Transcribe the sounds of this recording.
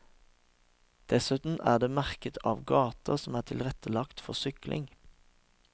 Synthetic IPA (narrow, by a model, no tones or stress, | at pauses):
d̪̥ɛsʉt̪n̩ʔæːd̪eːmæʁkət̪ʰɑ̰ːʋɡɑːt̪ʰəʁsɔmæːʈ̪ʰɪlʁɛt̪ʰəlɑkt̪fɔʁsʏklʔɪ̰ŋ